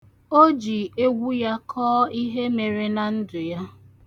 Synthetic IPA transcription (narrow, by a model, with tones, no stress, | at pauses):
o˦d͡ʒi˨e˦ɡʷu˦ja˦kʰɔː˦i˦ɦe˦me˨ɾe˨na˨n̩˦dʊ˨ja˦